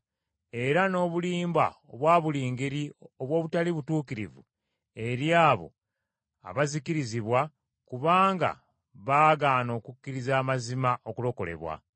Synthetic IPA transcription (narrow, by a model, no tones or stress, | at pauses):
e̞ɾano̞ːβuliːmba̰oβwaːβuliːŋɡeɾio̞βwo̞ːβutaliβutuːkiɾivṵ | e̞ɾjaːβo̞̰ | a̰βazikiɾiziβwa | kuβaːŋɡa̰ | βaːɡaːno̞ːkukːiɾizaːmazimaʔo̞kulo̞ko̞le̞̰βwa̰